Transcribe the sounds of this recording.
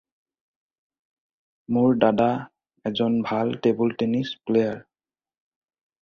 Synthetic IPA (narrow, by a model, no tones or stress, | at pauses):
moɹdada | ɛzɔnbʱaltebɔltenisplejaɹ